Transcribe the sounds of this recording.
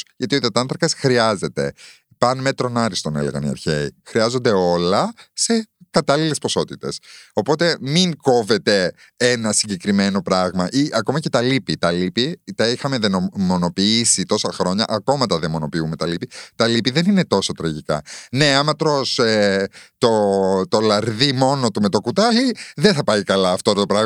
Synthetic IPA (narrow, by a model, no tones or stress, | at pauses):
ʝɐt̪iot̪iɐt̪ɐnθɾɐkɐsxɾiɐze̞t̪e̞̰ | pɐnmet̪ɾo̞nɐɾist̪o̞ne̞̰leɣɐ̰nḭɐ̰ɾçeixɾiɐzo̞nd̪e̞o̞lɐse̞kɐt̪ɐlile̞spo̞so̞t̪it̪e̞so̞po̞t̪e̞miŋko̞ve̞t̪e̞ | enɐsiɲɟe̞kɾime̞no̞pɾɐɣmɐʔiʔɐko̞mɐce̞t̪ɐlipit̪ɐlipit̪ɐixɐme̞ðenomo̞no̞piisit̪o̞sɐxɾo̞ɲɐ̰ʔɐko̞mɐt̪ɐðemo̞no̞piume̞t̪ɐlipit̪ɐlipiðe̞nine̞t̪o̞so̞t̪ɾɐʝikɐ̰ne̞ɐmɐt̪ɾo̞set̪ot̪o̞lɐɾðimo̞no̞t̪ume̞t̪o̞kut̪ɐʝiðenθɐpɐjkɐlɐːft̪oɾɐt̪opɾɐɣ